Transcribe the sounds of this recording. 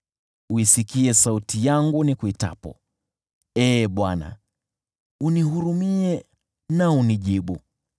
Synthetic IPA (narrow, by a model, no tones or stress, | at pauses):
uisikiɛsautijaŋɡunikuita̰pɔ̰ | ɛːɓwana̰ | uniɦuɾumiɛ | nauniʄiɓu